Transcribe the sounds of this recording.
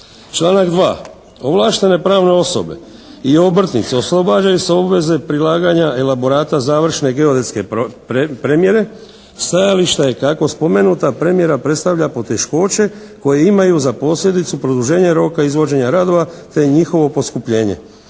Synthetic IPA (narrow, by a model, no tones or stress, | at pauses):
t͡ʃlˠaːnakd̪ʋa̰ː | o̞ʋlˠaːʃt̪e̞ne̞pɾaːʋne̞o̞so̞̰be̞̰ | io̞br̩t̪nit̪seo̞slˠo̞baːd͡ʒajuse̞o̞bʋe̞ze̞pɾilaːɡaɲae̞labo̞ɾaːt̪azaːʋr̩ʃne̞ɡe̞o̞d̪et̪ske̞ | pɾe̞mje̞ɾe̞ | st̪ajaliʃt̪aje̞kako̞spo̞me̞nuːt̪apɾe̞mje̞ɾapɾe̞t̪st̪aʋʎapo̞t̪e̞ʃko̞ːt͡ʃe̞ | ko̞jeimajuzapo̞sʎʲje̞d̪it̪supɾo̞d̪uʒe̞ːɲeɾo̞ːkaizʋo̞d͡ʒe̞ɲaɾad̪o̞ʋat̪e̞ɲixo̞ʋo̞po̞skupʎe̞ːɲe̞̰